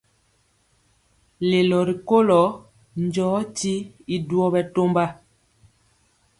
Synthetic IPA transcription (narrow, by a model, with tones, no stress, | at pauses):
le˨lɔ˨ɾi˨ko˦lɔ˨˦ | nd͡ʒɔː˨˦ti˦i˨du˦ɔ˦bɛ˨to˦mba˦